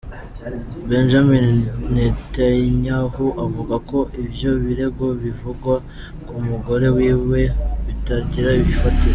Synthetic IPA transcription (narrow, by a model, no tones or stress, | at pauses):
benʒaminnetaɲahuʔavuɡako̞ʔibjo̞βiɾe̞ɡo̞βivuɡwa | kumuɡo̞ɾe̞wiːwe̞βitaɟiɾaβifati